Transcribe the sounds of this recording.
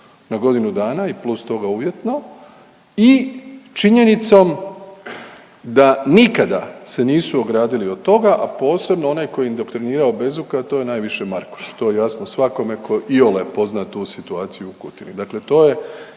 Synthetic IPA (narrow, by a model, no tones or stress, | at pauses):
naɡo̞d̪inud̪aːnaiplust̪o̞ɡauʋje̞t̪no̞ | it͡ʃiɲe̞nit̪so̞m | d̪anikad̪a̰se̞niːsuoɡɾaːd̪iliod̪̚t̪o̞ɡaʔapo̞ːse̞bnoo̞najko̞jeind̪o̞kt̪ɾiniːɾaobe̞zukat̪ojenajʋiʃe̞maɾku̥ʃt̪o̞jejasnosʋako̞me̞kʰo̞ʔiolepo̞znat̪uːsit̪uaːt̪sijuːkut̪inid̪akle̞t̪o̞ːje̞